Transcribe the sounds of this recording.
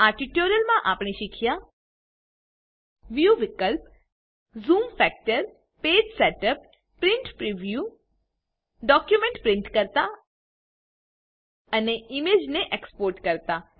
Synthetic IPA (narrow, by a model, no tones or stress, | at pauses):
aɾʈiʈoɾijəlmãʔapɳ̃eʃikʰja | ʋjuʋɪkəlp | zumfɛk̚ʈəɾ | ped͡ʒseʈəpː | ɾɪɳʈpɾiʋju | ɖɔkjumẽɳʈpɾɪ̃ɳʈkəɾt̪a | əneimed͡ʒneʔekspoːɾʈkəɾt̪a